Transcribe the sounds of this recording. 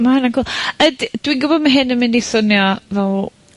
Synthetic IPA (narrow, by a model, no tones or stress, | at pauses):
mahanaɡʰɔlˠədd̥winɡʊbɔdmaɦɪnːəmɪndiθʊnjɔvɛlˠ